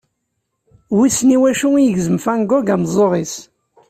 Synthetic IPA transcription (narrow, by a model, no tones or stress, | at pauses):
wisniwæʃuijəʝzəmfæŋɡɔɡæmzˤoʁˤis